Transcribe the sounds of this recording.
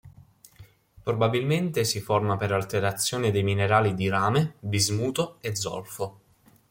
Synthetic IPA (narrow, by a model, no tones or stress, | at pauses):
pɾobabilment̪esifɔrmapeɾalt̪eɾat̪sːjoːnid̪ejmineɾaːlid̪iɾaːmebizmuːt̪oed̪zːɔ̰lfo